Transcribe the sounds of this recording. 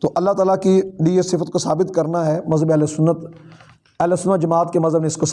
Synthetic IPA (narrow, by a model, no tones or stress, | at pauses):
t̪oːʔɐlːat̪aːlakiɖiːesɪfət̪̚kosaːbɪt̪kɐɾnaɦɛːmɐzɦəbeɛːlesʊnːət̪ | ɛlesʊnːət̪d͡ʒɐmaːt̪kemɐzɦəbneɪskos